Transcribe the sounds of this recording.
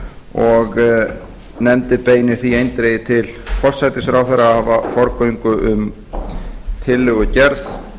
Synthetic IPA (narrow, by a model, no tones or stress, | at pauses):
ɔɣ | nɛmt̪ɪpeːjnɪɾ̥θiejnt̪ɾeːjɪt̪ʰɪlfɔr̥sajt̪ɪsfɾawθaɾahavafɔɾkœjŋkʏʔʏm | t̪ʰɪlːʏɣʏcɛɾθ